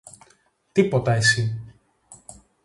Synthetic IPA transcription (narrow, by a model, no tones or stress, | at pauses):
t̪ipo̞t̪ɐesi